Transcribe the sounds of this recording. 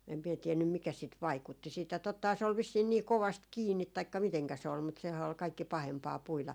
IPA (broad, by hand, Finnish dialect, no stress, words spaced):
em mie tienːym mikæ sit ʋɑikutːi siːtæ totːɑhɑː se ol ʋisːiːn niː koʋɑst kiːnːit tɑikːɑ miteŋkæ se ol mutːɑ sehæː ol kɑikːi pɑhempɑː puilɑ